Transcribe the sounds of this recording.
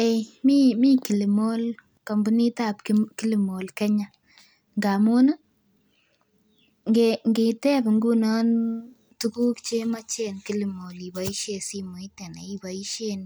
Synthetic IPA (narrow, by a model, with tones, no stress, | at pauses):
e˨jmi˦miː˦ki˨li˨mo˦l | ka˨mbu˦ni˦tap̚kki˦li˨mo˨lkɛ˦ɲa˨ | ŋɡa˨mu˦na˦ | ŋɡeŋɡe˨tɛ˦bŋɡu˦na˦n | tu˦ɡu˦kt͡ʃe˦ma˦t͡ʃe˦nki˦li˨mo˨li˨ba˨i˦ʃe˨si˦mu˨i˦tɛ˨na̰˨i˦ba˨i˦ʃe˧n